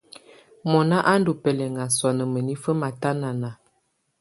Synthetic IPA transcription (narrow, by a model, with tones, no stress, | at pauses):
mɔ˨na˦ʔa˦n˦du˨pɛ˨lɛ˨ŋɡa˨swa˨nə˨mə˨ni˦fə˦ma˨ta˦na˨na˨